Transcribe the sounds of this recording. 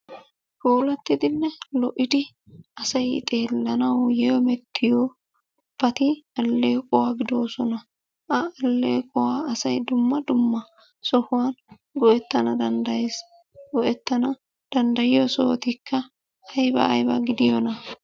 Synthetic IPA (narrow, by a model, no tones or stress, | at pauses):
foːlɐt̪ːɪd̪ɪnːɛlɔʔɪd̪ɪ | ɐsɐjɪ̰t̪ʼe̞ːlːɐnɐwjɛjɔmɛt̪ːɪjoː | b̥ɐt̪ɪɐlːeːkʼɔwaːɡɪd̪oːsɔnɐ | ʔɐɐlːḛːkʼʊwaːɐsɐjd̪ʊmːɐd̪ʊmːɐ | sɔhʊwaːn | ɡɔʔɛt̪ːɐnɐd̪ɐnd̪ɐjeːs | ɡɔʔɛt̪ːɐnɐ | d̪̥ɐnd̪ɐjɪjɔso̰ːt̪ɪkʰːɐ | ɐjbɐ̰ːjbɐ̰ɡɪd̪ɪjɔnɐ